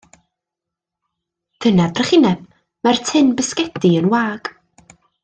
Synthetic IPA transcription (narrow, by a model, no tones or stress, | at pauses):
d̥ənabrəχɪnɛb̥̚ | martʰɪnbəskɛdiənwaːɡ̥